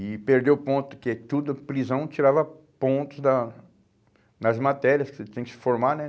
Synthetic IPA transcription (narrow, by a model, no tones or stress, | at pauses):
ɪpeɾd̪ewpõnt̪ʊ̥kɪɛt̪ud̪ʊpɾizɐ̃w̃t͡ʃiɾavɐpõnt̪ʊzd̪ | nɐzmat̪ɛɾiɐskɪ̥set̪ẽj̃kɪsɪ̥foɾmanɛ